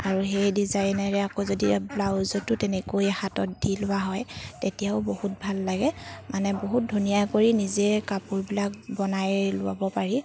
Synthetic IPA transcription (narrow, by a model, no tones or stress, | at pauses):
aɹuɦejdizajnaɹɛakozodiblawzɔtʊtɛnɛkojɛxatɔt̚dilʊaɦɔjtetijaʊbohut̚bʱalːaɡɛmanɛboɦut̚dʱunijakoɹinizɛkapuɹbilak̚bɔnajlʊ̰wa̰bɔpaɹi